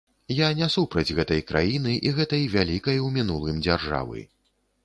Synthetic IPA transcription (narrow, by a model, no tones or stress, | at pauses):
janʲɛsupɾɐd͡zʲɣɛt̪ɐjkɾa̰jinɨʔiɣɛt̪ɐjvʲalʲikɐjwmʲinulˠɨmd͡zʲarʐa̰vɨ̰